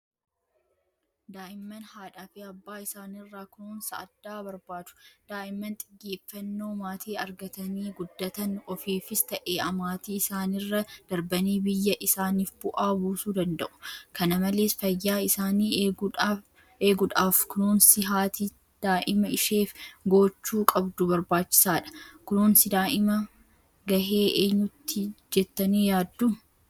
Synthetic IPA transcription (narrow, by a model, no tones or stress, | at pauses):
d̪aːʔɪmːɐnhaːᶑaːfiɐbːaːɪsaːnɪrːaːkʊnuːnsɐ̰ʔɐd̪ːaːbɐɾbaːt͡ʃʊ̥d̪̥aːʔɪmːɐnt̪ʼɪɡːeːfːɐnːo̞ːmaːt̪ʰiːɐɾɡɐt̪ɐniːɡʊd̪ːɐt̪ɐnɔfiːfɪst̪ɐʔeːʔɐmaːt̪iːɪsaːnɪrːɐd̪̥ɐɾbɐniːbɪjːɐʔɪsaːniːfbʊʔaːbuːsuːd̪ɐnd̪ɐʔʊ̥kɐnɐmɐleːsfɐjːaːɪsaːniːɡ | eːɡʊᶑaːfkʊnoːnsɪɦaːt̪i | d̪̥aːʔɪmɐɪʃeːfɡoːt͡ʃːuːkʼɐbd̪ʊbɐɾbaːt͡ʃːɪ̥saːᶑɐ̥kʊnoːnsɪd̪aːʔɪmɐ | ɡɐɦe̞ːʔeːɲːʊt̪ːɪd͡ʒɛt̪ːɐniːjaːd̪ːu